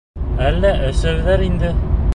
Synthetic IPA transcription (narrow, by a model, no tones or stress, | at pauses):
ælːæʔɘ̆sæwðæɾind̪ɘ